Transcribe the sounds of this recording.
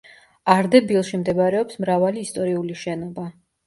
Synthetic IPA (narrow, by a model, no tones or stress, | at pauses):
aɾd̪ɛbilˠʃimd̪ɛbaɾɛɔpsmɾavaliːst̪ʼɔɾiuliʃɛnɔba